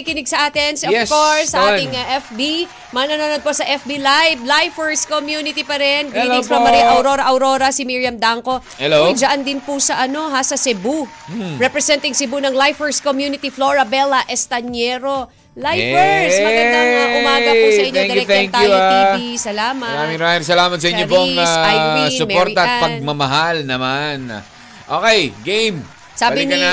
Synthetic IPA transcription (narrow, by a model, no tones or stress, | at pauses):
kɪnɪɡ̚sɐʔaːt̪ɪnsoɛkoɹssːɐʔaːɪŋɐʔɛfbi | mɐŋɐnɐnonod̪̚posɐʔɛfbilajblajfɛɹskomjuːnɪt̪ipɐɾɛnɡɪiɐmɐɾijʔɐwɾo̞ɾɐʔɐwɾo̞ɾɐsɪmiɹjɐmd̪aŋko̞ | ɛlod͡ʒɐʔand̪ɪnpusɐʔɐno̞ɦasɐsɛbu | ɹɛpɾɛsɛnt̪ɪŋsɛbunɐŋlajfɛɹskomjuːnɪt̪ifloɹɐbɛlɐʔɛst̪ɐɲɛɾo̞ | lajfɛɹsmɐɡɐnd̪aɐɡʊmaːɐpusɐʔɪ̃ɲːoŋɐj̪ɛŋk̪t̪ajuidisɐlaːmɐɐɾamiŋɾoaːɪsɐlaːmɐt̪̚sɐʔɪɲːopoŋaajsʊmɛoɾt̪ɐɐt̪̚pɐɡ̚mɐmɐɦalnɐman̰ | ʔoːkɛjɡejm | saːɐlɪni